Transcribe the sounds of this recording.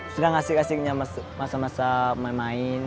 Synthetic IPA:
sədaŋasɪkasɪk̚ɲamasmasamasamanmaɪn

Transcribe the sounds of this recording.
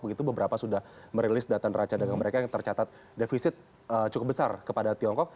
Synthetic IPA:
bəɡit̪ubəbəɾapasudahməɾelɪsdat̪anrat͡ʃadaɡaŋməɾekajaŋt̪ərt͡ʃat̪at̪̚ | defisɪt̪̚ | ət͡ʃukʊp̚bəsarkəpadat̪iɔŋkɔk̚

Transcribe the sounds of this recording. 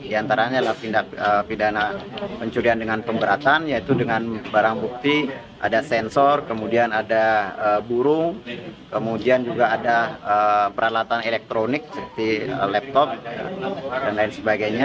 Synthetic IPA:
diant̪aɾaɲalahpindaʔəpidanapəɲt͡ʃuɾiandəŋanpəmbəɾat̪anjait̪udəŋanbaɾaŋbuk̚t̪i | ʔa̰dasɛnsɔrkəmudianadaəbuɾʊŋkəmudiand͡ʒuɡaːdaəpəɾalat̪anelɛk̚t̪ɾonɪk̚səpət̪iə̰lɛp̚t̪ɔp̚ja̰danlaɪnsəbaɡajɲa

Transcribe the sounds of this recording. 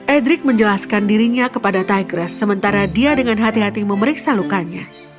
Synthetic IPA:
ʔɛdɾɪk̚məɲd͡ʒəlaskandiɾiɲakəpadat̪aɡɾəsːəmənt̪aɾadiadəŋanɦat̪iɦat̪iməməɾiksalukaɲa

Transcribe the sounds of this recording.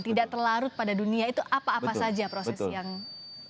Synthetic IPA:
t̪idaʔt̪ərlaɾʊt̪̚padaduniait̪uʔapaːppasad͡ʒapɾosɛsjaŋ

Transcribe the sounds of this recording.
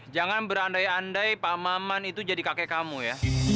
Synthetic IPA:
d͡ʒaŋanbəɾandajandajpamamanit̪ud͡ʒadikakekamuja

